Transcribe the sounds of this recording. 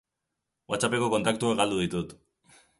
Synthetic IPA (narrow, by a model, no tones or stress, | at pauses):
wat͡sape̞ko̞ko̞nt̪akt̪uakɡald̪uð̞it̪ut̪